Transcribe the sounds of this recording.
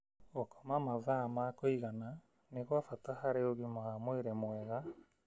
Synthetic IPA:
okɔmamaðamakoiɣana | neɣwafatahaɾeoɣimaamweɾɛmwɛɣa

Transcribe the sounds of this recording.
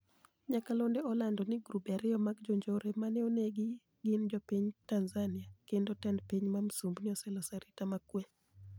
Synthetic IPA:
ɲakalondɛɔlandɔnɪɡɾubaɾɪɔmaɡd͡ʒoɲd͡ʒoɾemanɛoneɡɪ | ɡɪnd͡ʒɔpiɲtanzanɪakendotɛndpiɲmamsumbnɪɔsɛlɔsaɾitamakwe

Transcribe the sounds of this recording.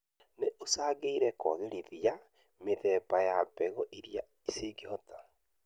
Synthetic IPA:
neʔosaːɣeiɾɛkɔ̰ɣeɾiðija | meðɛbajabɛɣɔʔiɾija | iseːɡihɔta

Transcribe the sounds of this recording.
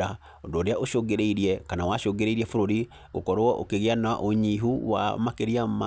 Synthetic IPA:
a | ondoːɾeaoʃoɡeɾeiɾiɛkanawaʃoːŋɡeɾeiɾiɛfoɾoɾi | ɣokɔɾoɔʔokeɣeana̰ʔoɲiɦuwa̰makeɾiama

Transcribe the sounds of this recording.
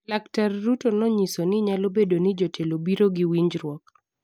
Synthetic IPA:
laktarːutonɔɲisonɪɲalobedonɪd͡ʒotʰelobiɾoɡɪwiɲd͡ʒɾwɔk

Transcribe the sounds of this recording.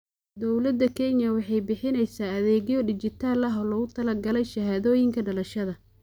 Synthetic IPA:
d̪ɔwlɐd̪ːɐkʰɛnjɐwɑħɑjbɪħɪnɛjsaːɐðɛːɣjɔɖɪt͡ʃɪt̪ʰaːlɐɦɔːlɔɣʊt̪ʰɐlɐɡɐlɛjʃɐɦaːðɔːjɪŋkʰɐɖɐlɐʃɐðɐ

